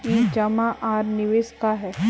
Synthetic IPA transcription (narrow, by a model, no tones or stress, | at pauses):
iːd͡ʒɐmãʔaːɾnɪʋeːskaɦɛː